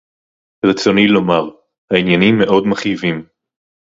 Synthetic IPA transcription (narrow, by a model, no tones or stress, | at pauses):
ʁet͡sonilo̞maʁ | hainjanimːeʔo̞dmaχjivim